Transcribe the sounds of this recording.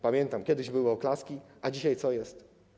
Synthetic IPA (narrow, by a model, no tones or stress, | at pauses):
pamʲjɛnt̪amkʲɛd̪ɘʑbɘwɔɔklaskʲiʔad͡ʑiɕajt̪sɔjɛst̪